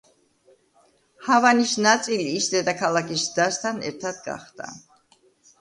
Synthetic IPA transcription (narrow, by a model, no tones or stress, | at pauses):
havanisnat̪sʼiliːsd̪ɛd̪akʰalakʰisd̪̥ast̪ʰanɛ̰ɾt̪ʰad̪ɡa̰χd̪̥a̰